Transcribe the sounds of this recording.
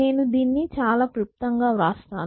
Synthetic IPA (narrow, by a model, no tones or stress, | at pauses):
e̞ːnud̪iːnːit͡ʃaːlaːkɾup̚t̪ɐŋɡaːɾaːst̪a̰ːn